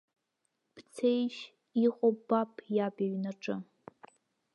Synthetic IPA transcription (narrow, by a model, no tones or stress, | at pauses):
b̥t͡sʰejʃ | iqʼobapʼʰjabaɥnaʈ͡ʂʼɨ